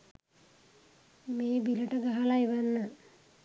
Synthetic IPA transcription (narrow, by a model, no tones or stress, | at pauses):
meːbiləʈəɡaɦalajiʋanːə